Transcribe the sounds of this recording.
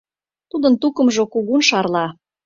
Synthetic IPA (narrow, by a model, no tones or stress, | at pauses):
t̪ud̪ə̆nt̪ukə̆mʒokuɣunʃɑrlɑ